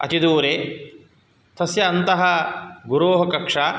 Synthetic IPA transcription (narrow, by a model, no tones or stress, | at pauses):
ɐ̰t̪id̪uːɾeː | t̪ɐsjɐːnt̪ɐɦɐ̆ɡuɾoːɦɐkɐkʂaː